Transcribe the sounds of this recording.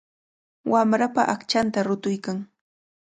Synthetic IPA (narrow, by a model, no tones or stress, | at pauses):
wamɾapaʔakt͡ʃant̪aɾʊt̪ʊjkaŋ